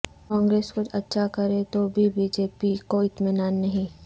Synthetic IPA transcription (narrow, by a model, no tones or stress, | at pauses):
kãːŋɡɾeːskʊt͡ʃʰɐtːʃʰakɐɾet̪obʱibiːd͡ʒeːpikoɪt̪mɪnaːnːɐɦĩ